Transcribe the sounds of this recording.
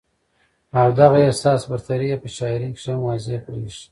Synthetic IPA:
awd̪aɣaesɑːsbaɾt̪aɾijepəʃɑjɾikʂamwazepɾiʂ

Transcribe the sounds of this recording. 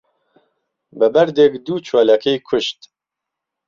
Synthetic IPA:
bɨbæɾd̪ekd̪uːt͡ʃʰwaːlakʰejkʰʊʃt̪

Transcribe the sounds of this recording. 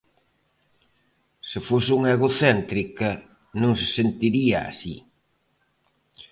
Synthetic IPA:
sɪfosɪuŋeɣoθɛnt̪ɾikɐ | nũŋse̥sent̪iɾiɐa̰sḭ

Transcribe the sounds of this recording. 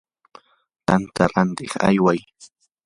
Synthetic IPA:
t̪ant̪aɾant̪ɪχa̰jwaj

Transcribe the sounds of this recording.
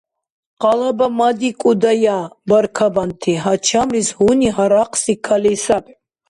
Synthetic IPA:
qalabamad̪ikʼud̪ajabaɾkʰabant̪ʰiɦat͡ʃʰamlishuniɦaɾaqʰʼsikʰalisap

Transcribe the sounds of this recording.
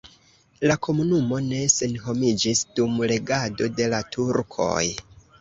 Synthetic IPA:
lakʰo̞munumo̞ne̞se̞nɦo̞mid͡ʒisdumle̞ɡado̞de̞latʰuɾkʰo̞̰j

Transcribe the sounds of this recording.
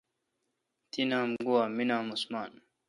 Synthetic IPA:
t̪inaːmɡuwaminaːmusmaːn

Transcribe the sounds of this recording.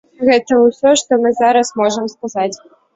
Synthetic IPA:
ɣɛt̪ɐwsʲɔʂt̪ɔmɨzaɾɐsmɔʐɐmskazat͡sʲ

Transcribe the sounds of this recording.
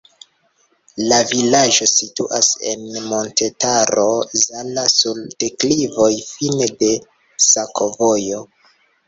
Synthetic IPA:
lavilaʒo̞situʔase̞̰nmo̞nte̞taɾo̞zalasulte̞klivo̞jfinede̞ | sakʰo̞vojo̞

